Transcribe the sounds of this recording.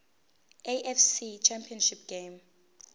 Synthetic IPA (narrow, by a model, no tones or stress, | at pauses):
eʔɛfsit͡ʃʰɛmpʰiɔnʃip̚ʰɡ̥em